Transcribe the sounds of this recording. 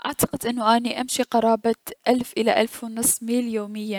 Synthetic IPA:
ʔaʕt̪ɑ̥qɪd̪ʔɪnːʊʔaːniʔamʃiqɑɾˤɑːbaʔalfʔɪlaʔalfwnɨsˤːmiːljoːmɪjːa

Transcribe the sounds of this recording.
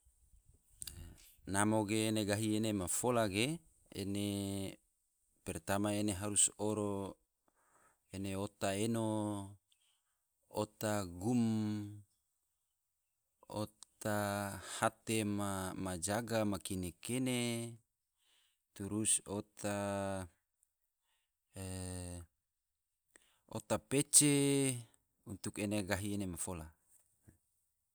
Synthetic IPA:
namoɡeːneɡaɦienemafolaɡe | ḛne | pɛrt̪amaeneɦaɾusoɾo | eneot̪aeno | ot̪aɡum | o̰t̪ahat̪emamad͡ʒaɡamakinekene | t̪uɾusot̪a | o̰t̪apet͡ʃe | unt̪ukeneɡaɦienemafola

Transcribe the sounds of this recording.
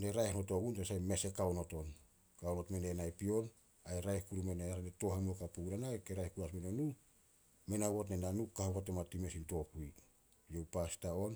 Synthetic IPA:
ne̞ɾajhnoto̞ɡuntesajme̞se̞kaono̞to̞n | kaonotmenenajpio̞n | ajɾajhkuɾumeneaɾaneto̞hemokapuɡuɾanaekeɾajhkuɾasmenonu | menaβotnenanukkːahoβotematime̞sinto̞puj | jewpastaon

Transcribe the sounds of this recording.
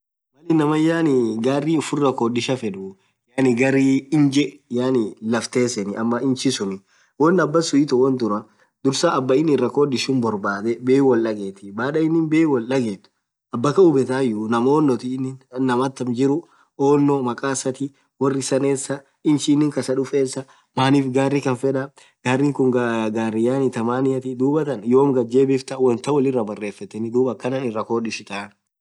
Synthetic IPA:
mɐlinɐmɐjːaːnɪɡaːrːiːʊfʊrːɐkoːdɪʃɐfɛᶑʊ | jaːnɪɡɐɾiːɪnd͡ʒɛjaːnɪlɐft̪e̞ːsɛnɪʔɐmːɐʔɪnt͡ʃɪsʊnɪ | wɔnːɐbːɐsʊɪt̪ʊwɔnt̪ʊɾɐ | d̪ʊɾsaɐbːɐɪnːɪrːɐkoːd̪ɪʃuːnbɔɾbaːd̪ɛbeːwɐlʔɐɡeːt̪ɪbaːᶑɐɪnːɪnbeːwɐlːɐɡeːt̪ʊ̥ | ɐbːɐkɐʊbɛt̪aːjunɐmoːnːɔt̪inːɪnːɐmɐt̪ːɐmd͡ʒɪɾʊ | oːnːomɐkʼaːsɐt̪ɪ | wɔrːɪsɐneːsːɐ | ɪnʃinːɪŋkɐsɐᶑʊfeːsːɐ | maːniːfɡaːrːikɐnfɛᶑɐ | ɡ̥aːrːiːŋkʊŋɡaɡaːrːɪjaːnɪt̪ɐmaːnɪjɐt̪ɪd̪uːbɐt̪ɐnjoːmɡɐd͡ʒeːbɪft̪ɐwɐnt̪ɐwɐlɪrːɐbɐrːe̞ːfːɐt̪ːɛnɪd̪uːbɐkːɐnanɪrːɐkoːᶑɪʃɪt̪aːn

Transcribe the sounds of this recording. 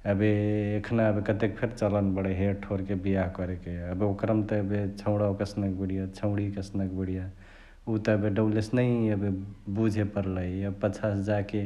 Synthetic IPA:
əbeːkʰnaəbekət̪ek̚pʰeɾt͡ʃələnbəɽeɦeʈʰoɾkebijaɦkɔɾekeəbeokɾəmt̪əːbet͡ʃʰə̃ʊ̃ɽawkəsnək̚beɽijat͡ʃʰəʊ̃ɽikəsnək̚beɽija | ut̪əəbeɖəblesnəiəbebud͡ʒʱepəɾləəbpət͡ʃʰasd͡ʒake

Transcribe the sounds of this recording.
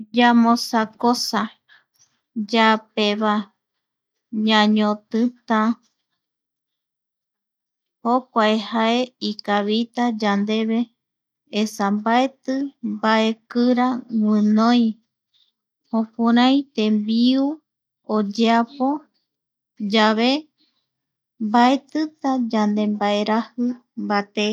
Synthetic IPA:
d͡ʒamõsakosa | d͡ʒapeβa | ɲãɲõt̪ɨt̪ã | hokʷaehae̞ikaβit̪ad͡ʒand̪e̞βe̞ː | sambae̞t̪ɨmbae̞kɨɾawɨ̃nõj̃ | hõpuɾãj̃t̪embiu | od͡ʒeapo̞ | d͡ʒaβe | mbae̞t̪ɨt̪ad͡ʒand̪e̞mbae̞ɾahɨmbat̪e

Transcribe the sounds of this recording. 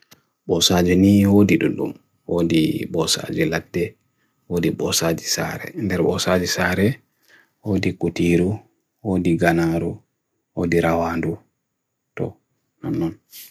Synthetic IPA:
ɓɔsad͡ʒɛniːwodiɗuɗṵm | wodiɓɔsa̰d͡ʒiladːɛ | wodiɓɔsad͡ʒisa̰ːɾɛ̰ndɛɾɓɔ̰saːd͡ʒisaɾɛ | woːdikutiɾu | wodiɡanaɾu | wodiɾawaːndu | tɔ̰ | nanːɔn

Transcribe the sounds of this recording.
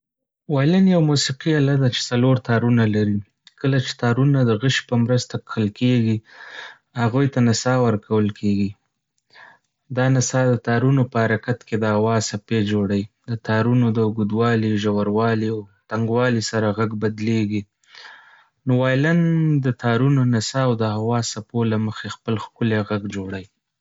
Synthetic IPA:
wɑjlanjawmusiqialad̪at͡ʃe̥saloɾt̪ɑɾunalaɾi | kəlat͡ʃe̥t̪ɑɾunad̪əɣəʃpəmɾəst̪akʰəlkeɡi | haɣujt̪anasɑwəɾkawəlkʰeɡi | d̪ɑnasɑd̪ət̪ɑɾunopəhaɾakat̪ked̪əawɑz̥saped͡ʒoɽawid̪ət̪ʰɑɾunod̪əʊɡud̪wɑliʒawaɾwɑliawt̪aŋɡwɑlisaɾaɣaɡbad̪leɡi | nowajland̪ət̪ʰɑɾunonasɑːwd̪əhawɑsapolaməxexpəlxkʊleɣaɡd͡ʒoɽaji

